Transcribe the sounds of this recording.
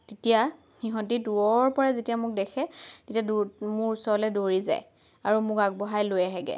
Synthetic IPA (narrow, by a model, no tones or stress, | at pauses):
tetija | xiɦɔntiduɔɹpɔɹazetijamʊk̚dɛkʰɛtetijadumʊɹsɔlɛdoɹiza̰j | aɹumʊkaɡ̚bɔɦajlojɛɦɛɡɛ̰